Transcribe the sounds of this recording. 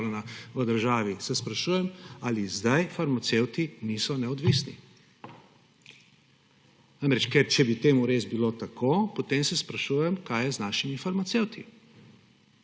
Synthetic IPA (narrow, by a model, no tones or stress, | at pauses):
ɾɛnaʋəd̪əɾʒaːʋisɛspɾaʃuːjɛmalizd̪ajfaɾmat̪sewt̪inisɔnɛɔd̪ʋisni | namɾɛt͡ʃkɛɾt͡ʃɛbit̪eːmuɾeːzbiloːt̪akopot̪emsɛspɾaʃuːjɛmkaːjɛznaːʃimifaɾmat̪sewt̪ʰi